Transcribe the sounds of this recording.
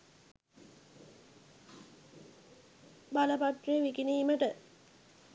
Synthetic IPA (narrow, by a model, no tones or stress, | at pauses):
baləpaʈrijeʋikiniːməʈə